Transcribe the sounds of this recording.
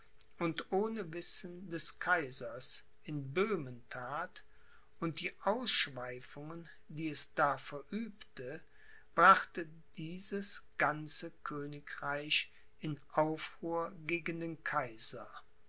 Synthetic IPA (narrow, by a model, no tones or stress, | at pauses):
ʔʊntʔoːnəvɪsən̩dɛskʰaɪzɐs | ʔɪnbøːməntʰaːt | ʊnt̚d̥iːʔaʊsʃv̥aɪfʊŋən | diːɛsd̥aːfɛɐʔyːptə | b̥ʁaχtə | d̥iːzəsɡ̥ant͡səkʰøːnɪkʁaɪç | ʔɪnʔaʊfʁuːɐɡeːɡəndeːnkʰaɪzɐ